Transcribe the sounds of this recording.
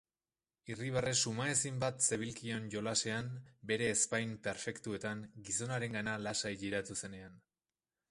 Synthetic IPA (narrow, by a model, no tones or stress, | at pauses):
iriβare̞sumaesimbat̪se̞β̞ilkio̞nʝo̞lase̞ambe̞ɾe̞ːspajmpe̞ɾfe̞kt̪ue̞t̪aŋɡiso̞naɾe̞ŋɡanalasaiʎiɾat̪use̞ne̞an